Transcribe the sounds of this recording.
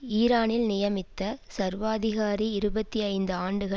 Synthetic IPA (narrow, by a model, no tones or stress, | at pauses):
iːɾaːnɪlnɪjɐmɪt̪ːɐsɐɾʋaːðɪɣaːɾiɪɾɯbɐt̪ːiɐɪnd̪ɯaːɳɖɯɣɐ